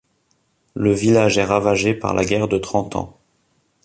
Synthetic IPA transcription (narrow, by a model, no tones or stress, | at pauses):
ləvilaʒɛʁavaʒepa̰ʁlʔa̰ɡʲɛʁd̪ət̪χɑ̃t̪ʰɑ̰̃